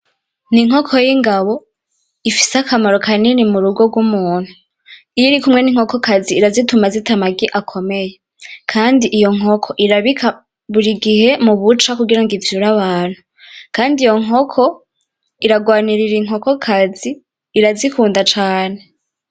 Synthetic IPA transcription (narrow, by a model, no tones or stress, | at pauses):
niŋ̥okʰojiŋɡaβo̞ | ifi̥seakʰamaɾo̞kʰaninimuɾuɡo̞ɡwumuːn̥hu | ijiɾikumŋe̞niŋ̥o̞ko̞kaziːɾazitumazitamaɡiʔakʰo̞me̞je | kʰaːndiʔijo̞ŋ̥ɦokʰo̞ʔiɾaβikʰa | βuɾiɡihe̞muβut͡ʃakuɡiɾaŋɡivjuɾaβaːn̥hu | kaːndijo̞ŋo̞kʰo | iɾaɡwaːniɾiɾiŋɦo̞ko̞kʰaziː | ɾazikuːndat͡ʃaːne̞